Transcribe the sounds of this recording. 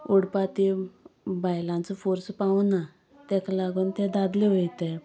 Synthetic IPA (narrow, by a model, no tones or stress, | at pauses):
oɽpat̪i | bajlãnt͡sɔfoɾspauna | t̪ɛkalaɡuːnt̪ɛ̃d̪ad̪leʋojt̪e